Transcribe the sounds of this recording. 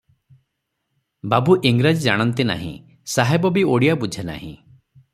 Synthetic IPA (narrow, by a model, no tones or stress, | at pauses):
babuʔiŋɡɾad͡ʒid͡ʒaɽ̃ɔnt̪ina̰ɦḭ̃ | saɦebɔbioɽijabud͡ʒʱena̰hḭ̃